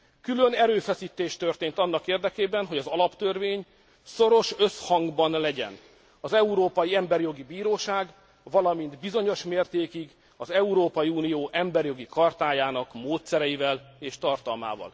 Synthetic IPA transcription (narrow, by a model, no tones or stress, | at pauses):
kylønɛɾøːfɛsiːt̪eːʃt̪ørt̪eːnt̪ɒnːɒkeːrd̪ɛkeːbɛnɦo̞ɟɒzɒlɒpt̪ørveːɲ | so̞ɾo̞ʃøshɒŋɡbɒnlɛɟɛ̰n | ɒzɛuɾoːpɒjiɛmbɛrjo̞ɡibiːɾoːʃaːɡ | vɒlɒmind̪bizo̞ɲo̞ʃmeːrt̪eːkiɡ | ɒzɛuɾoːpɒjiuːnijoːʔɛmbɛrjo̞ɡikɒrt̪aːjaːnɒkmoːt̪sɛɾɛjivɛleːʃt̪ɒrt̪ɒlma̰ːvɒ̰l